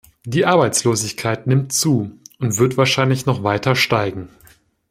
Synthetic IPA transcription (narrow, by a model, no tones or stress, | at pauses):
d̥iːʔaɐbaɪt͡sloːzɪçkʰaɪtnɪmtt͡suːʔʊntv̥ɪɐtv̥aːɐʃaɪnlɪçnɔχv̥aɪtʰɐʃtaɪɡŋ̩